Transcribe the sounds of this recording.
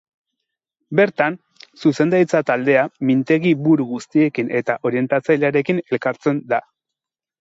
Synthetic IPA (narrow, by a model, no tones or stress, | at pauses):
be̞ɾt̪an | suse̞nd̪ajt͡sat̪ald̪e̞amint̪e̞ɣiβuɾuɣust̪ie̞kine̞t̪aʔo̞ɾie̞nt̪at͡sajʎaɾe̞kine̞lkaɾt͡se̞nd̪a